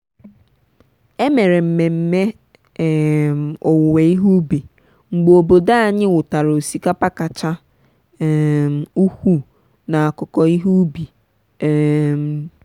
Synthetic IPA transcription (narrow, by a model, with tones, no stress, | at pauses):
e˦me˨ɾe˨m̩˨me˨m̩˨me˦˨ | m˨ɔ˨wʊ˨we˨i˦ɦu˦bi˨ | ŋ͡m̩˨ɡ͡bo˨bo˨da˦a˨ɲɪ˦wʊ˨ta˨ɾo˨o˨si˦ka˦pa˦ka˨t͡ʃa˦˨ | m˨u˦kʷu˦ | na˨a˨kʊ˨kɔ˨i˦ɦu˦bi˨ | m̩˨